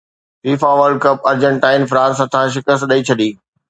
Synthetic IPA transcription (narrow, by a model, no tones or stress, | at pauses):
fiːfaʋəɾɖkɐpɐɾd͡ʑə̃ɳʈaːɪnfɾãːnsɦɐt̪ʰãːʃɪkəst̪ɗɐit͡ɕʰɐɗiː